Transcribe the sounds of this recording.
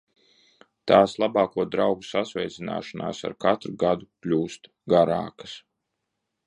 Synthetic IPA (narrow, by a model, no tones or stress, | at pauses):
t̪aːslˠabaːkuɔd̪ɾawɡusasvɛjt̪sina̰ːʃana̰ːsa̰ɾkat̪ɾuɡad̪uklʲuːst̪ | ɡaɾa̰ːkḁs